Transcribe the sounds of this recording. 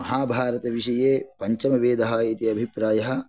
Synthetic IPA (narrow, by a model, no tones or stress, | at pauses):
mɐɦaːbʱaːɾɐt̪ɐʋiʃɐjeːpɐɲt͡ʃɐmɐʋeːd̪ɐɦɐit̪iɐbʱipɾaːjɐɦɐ̆